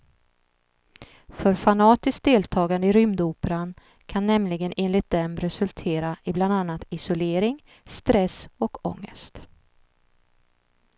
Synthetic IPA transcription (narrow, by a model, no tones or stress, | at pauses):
fœɾfanɑːt̪ɪsk̚d̪eːlt̪ʰɑːɡand̪əɪɾʏmd̪uːpəɾan | kʰanːɛmlɪɡəneːnlɪt̪̚d̪ɛmɾɛsɵlt̪ʰeːɾaɪbland̪anːat̪ɪsʊleːɾɪŋ | st̪ɾɛsɔkɔ̰ŋːə̰st̪